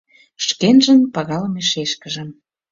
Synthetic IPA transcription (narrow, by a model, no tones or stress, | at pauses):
ʃkenʒə̆npɑɣɑləmeʃeʃkə̆ʒə̆m